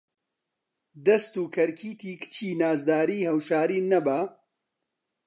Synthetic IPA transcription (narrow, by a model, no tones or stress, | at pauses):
d̪ɐst̪uːkʰɐɾkʰiːt̪ʰiːkʰɨ̥t͡ʃʰiːnaːzd̪aːɾiːhɐwʃaːɾiːnɐbaː